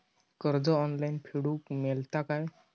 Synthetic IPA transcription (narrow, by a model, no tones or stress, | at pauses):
kəɾd͡ʒɔɔnlajnpʰiɽukmɛlt̪akaj